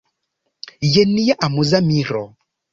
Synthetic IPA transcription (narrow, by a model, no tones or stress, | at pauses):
jɛnijaʔamuzamiɾɔ